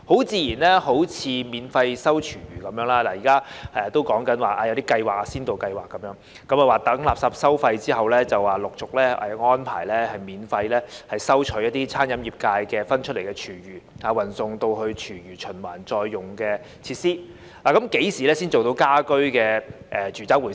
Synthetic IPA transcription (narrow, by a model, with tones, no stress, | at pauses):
ho˨˥wt͡siː˧jiː˨˩nlɛː˥ho˨˥wt͡sʰiː˨˧miː˨˥nfɐ˧jsɐ˥wt͡ʃʰyː˨˩ɥyː˨˩kɐ˨˦mjœː˨˥ŋlaː˥laː˨˩jiː˨˩kaː˥ɛ˨t̪o˥wkɔː˨˥ŋkɐ˨˥nwaː˨˩ʔaː˧jɐ˧wt̪iː˥kɐ˧jwaː˨˩k̚aː˧siː˥nt̪o˨wkɐ˧jwaː˨kːɐ˨˦mjœː˨˥ŋ | kɐ˨˥maː˨˩waː˨˩t̪ɐ˨˥ŋlaː˨p̚saː˨˧p̚sɐ˥wfɐ˧jt͡siː˥ɦɐ˨wlɛː˥t͡sɐ˨˩waː˨˩lʊ˨k̚t͡sʊ˨k̚lɛː˥ɛ̰˨˩ŋɔː˥npʰa̰ː˨˩jlɛː˥hɐ˨jmiː˨˥nfɐ˧jlɛː˥hɐ˨jsɐ˥wt͡ʃʰɵ˨˥jɐ˥t̪̚iː˥t͡sʰaː˥njɐ˨˧mjiː˨p̚kaː˧jkɛː˧fɐ˥nt͡ʃʰt̚le˨˩kɛ˧t͡ʃʰyː˨˩jyː˨˩aː˨˩wɐ˨˩nsʊ˨˧ŋt̪o˧wɦɵ˧ɥt͡ʃʰyː˨˩ɥyː˨˩t͡ʃʰɵ˨˩nwa̰ː˨˩nt͡sɔː˧jːʊ˨˩ŋkɛː˧ | t͡sʰiː˧t̚siː˥ | laː˨kɐ˨˦mke˨˥jsiː˨˩lɛː˥siː˥nt͡so˨wt̪o˧wkaː˥kɵ˥ɥkɛː˧ʔɛ˨t͡ʃʰyː˨˩t͡saː˦˥k̚wuː˨˩